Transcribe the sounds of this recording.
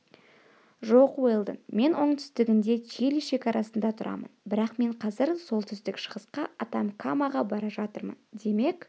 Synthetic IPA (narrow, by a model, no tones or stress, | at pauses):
ʒo̞qwolˠd̪ə̰ŋme̞nwo̞ɴt̪ʰʏ̥st̪ɪɡʲɪnd̪e̞t̪ʰelʃe̞kɑɾɑsənd̪ɑt̪ʰʊɾʔɑ̰mə̰nbɪɾɑqme̞ɴqʰɑzɪɾso̞lˠt̪ʰʏzd̪ɪkʃə̥ʁəsqɑʔɑt̪ɑmkʰamɑʁɑbɑɾɑʒɑt̪əɾmə̰nd̪e̞me̞k